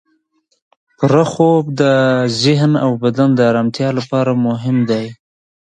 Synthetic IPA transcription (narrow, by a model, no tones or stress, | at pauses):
pɾaxob̚d̪əzɪɦna̰wbad̪and̪əːɾamt̪jɑlapɑɾamʊɦɪmd̪aj